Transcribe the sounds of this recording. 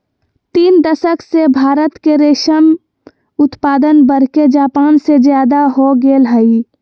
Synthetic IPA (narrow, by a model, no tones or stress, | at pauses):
t̪iːnd̪əsəksebʱaːɾət̪keɾeːʃəm | ʊt̪paːd̪ənbəɾ̤ked͡ʒaːpaːnsed͡ʒjaːd̪aɦoɡeːlɦəi